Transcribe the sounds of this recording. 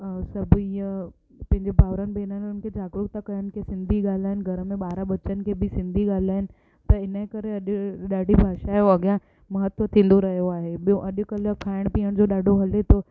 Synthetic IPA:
sɐbijə | pɐ̃ɦɪ̃ɲd͡ʑebʱaːʋɾənbeːnənʊnkʰed͡ʑaːɡɾʊkt̪akɐjənɪ̆kʰesɪ̃nd̪ʱiɠaːl̤aːɦɪnɪɡʱɐɾəmẽɓaːɾaɓɐt͡ɕənɪ̆kʰebʱɪsɪ̃nd̪ʱiɠaːl̤aːɦɪnɪ̆ | t̪ɐɪnəekɐɾeɐɗɗaːɖʱibʱaːʃaɦeoɐɡjã | mɐɦət̪ʋət̪ʰiloɾɐɦijoaːɦeɓijoʔɐɗʊ̆kɐlkʰaːɪɽ̃piːəɽ̃d͡ʑoɗaːɖʱoɦɐlet̪oː

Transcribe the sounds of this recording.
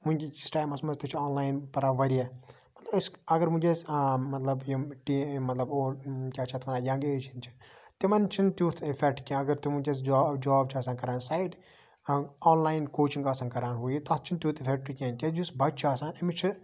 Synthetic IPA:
mũnʲit͡ʃisʈaːjmɐsmɐzt̪it͡ʃʰiɔːnlaːjnpɐɾaʋɐɾie | mɐt̪lɐbsɐɡɐɾmũd͡ʒesmɐt̪lɐbjiʈimɐt̪lɐboːkʲaːt͡ʃʰɐt̪ʰmɐnaːjɐ̃ŋɡeːt͡ʃʰint͡ʃʰi̥t̪imɐnt͡ʃʰint̪juːt̪ʰifʰek̚ʈkʲẽɐɡɐɾt̪imũd͡ʒes̬d͡ʒːd͡ʒaːb̚t͡ʃʰiɐːsaːnkɐɾaːnsaːjɖ | ɔːnlaːjnkoːt͡ʃiŋɡɐsaːnkɐɾaːnɦuːjit̪ɐt̪t͡ʃʰint̪ʲjuːt̪ʰifʰek̚ʈɾikʲãːnkʲed͡ʒusbʱɐʈ̚t͡ʃʰaːsaːnɐmit͡ʃʰi

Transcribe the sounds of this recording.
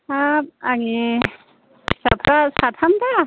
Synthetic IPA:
aaŋi | sa̰tʰɾasat̪ʰamda

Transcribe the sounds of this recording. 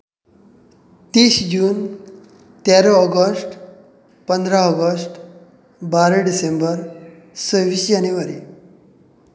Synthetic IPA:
t̪iɕd͡ʑuːn | t̪aɾəɔɡəsʈ | pənd̪ɾaɔɡəsʈ | baɾəɖisembəɾ | səʋiːsd͡ʑanjuʋaɾi

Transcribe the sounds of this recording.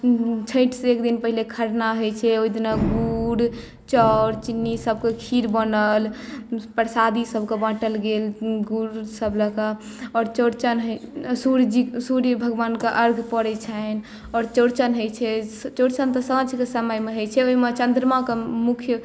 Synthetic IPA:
t͡ʃʰəjʈseekd̪inpəɦilekʰəɾnaɦojt͡ʃʰɛojd̪inaɡuɽ | t͡ʃɔɾt͡ʃinːisəb̚kekʰiɾbənəlpəɾsad̪isəbkebãʈəlɡelɡuɾsəbləka | ɔɾt͡ʃoɾt͡ʃənɦsuɾd͡ʒisuɾjəbʱəɡʋankeʔəɾɡʱpəɽɛt͡ʃʰən | ɔːɾt͡ʃoɾt͡ʃənɦojt͡ʃʰɛt͡ʃoɾt͡ʃənt̪ɔsə̃t͡ʃkesəməjmeɦojt͡ʃʰɛoɦimet͡ʃənd̪ɾmakemukʰjə

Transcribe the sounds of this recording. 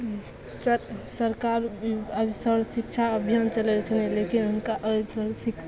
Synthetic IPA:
səsəɾkaɾəbsəɾsik̚t͡ʃʰaəbʱjant͡ʃəlɛt̪kʰnelekinɦunkaʔəsəɾsikʰ

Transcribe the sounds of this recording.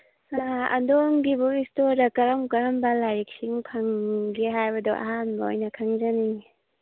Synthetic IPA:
aɐ̰ndoŋɡibuistoɾdɐkɐɾɐmkɐɾɐmbɐlajɾik̚siŋpʰaŋɡiɦajbɐdɔʔa̰ɦanbɐo̰jnɐkʰaŋzaniŋ

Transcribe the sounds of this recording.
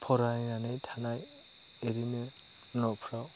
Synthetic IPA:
pʰɔɾajnanɯjtʰanaj | eɾime | nɔpʰɾaw

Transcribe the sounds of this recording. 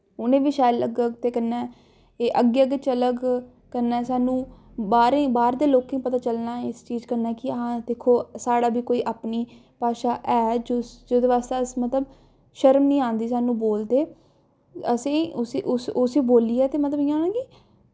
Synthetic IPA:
ʊnẽːʋiːʃaːjləɡəɡt̪eːkənɛː | eːʔəɡeːəɡet͡ʃələɡ | kəɾnɛːsaːnũː | baːɾẽbaːɾd̪eːloːkẽĩpət̪aːt͡ʃəlnaːɪst͡ʃiːzkəɾnaːkɪãːd̪eːkʰːoːsaːɽaːbiːkoːiːʔaːpniː | paːʃaːʔɛːd͡ʒod͡ʒoːd̪eːʋaːst̪eəsmət̪ləb | ʃəɾmnĩːãːnd̪iːsaːnũːboːld̪eː | əsĩːʊsiʔʊsʊsiːboːliːɛːt̪eːmət̪ləbiãːnãːɡiː

